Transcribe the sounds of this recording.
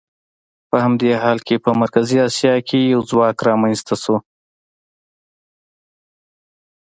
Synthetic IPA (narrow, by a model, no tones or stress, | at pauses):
pəhamd̪eɦɑlkepəmaɾkaziɑsjɑkʰejawzwɑkɾɑmanst̪ʰaso